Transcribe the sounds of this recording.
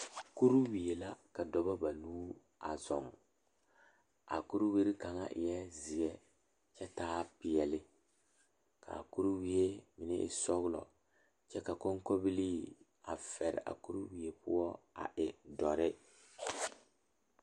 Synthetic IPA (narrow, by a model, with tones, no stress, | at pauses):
ku˦ɾu˦wi˨e˨la˦ka˨dɔ˨ba˦ba˨luː˦ | a˨zɔ˨ŋ | a̰˨ku˦ɾu˦wi˦ɾi˦ka˨ŋa̰˦ʔɪ˨jɛ˦zɪ˨ɛ˦ | t͡ʃɛ˦taː˦pɪ˨jɛ˨lɪ˦ | ka̰˨ku˦ɾu˦wi˦e˦mɪ˨nɪ̰˦ʔɪ̰˨sɔ˦ɣʊ˦lɔ̰˨ | t͡ʃɛ˦ka˨kɔ˦ŋkɔ˦bɪ˦li˦ | a̰˨fɛ˨ɾɪ̰˨ʔa̰˨ku˦ɾu˦wi˨e˨pʊ˦ɔ˦a̰˨ʔɪ˨dɔ˨ɾɪ˦